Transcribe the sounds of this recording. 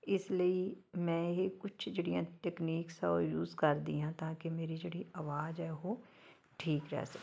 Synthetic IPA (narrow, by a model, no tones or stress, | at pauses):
ɪsləi | mɛ̃ːɦikʊt͡ʃʰd͡ʒəɽijãʈeːkniːksaojuːzkɐɾd̪ḭɦãt̪aːkemeːɾid͡ʒəɽiaːʋaːd͡ʒɦɛɦoː | ʈʰiːkɾɛ̰ɦsɐk